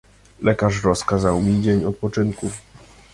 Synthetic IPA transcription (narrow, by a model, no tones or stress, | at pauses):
lɛkaʂ̬ɾɔskazawmʲid͡ʑeɲɔt̪̚pɔt͡ʂɘnkuf